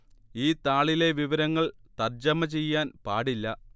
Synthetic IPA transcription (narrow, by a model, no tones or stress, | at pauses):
iːt̪aːɭile̞ʋiʋɐɾɐŋːɐɭt̪ɐrd͡ʑɐmɐt͡ɕe̞jːaːnpaːɽilːɐ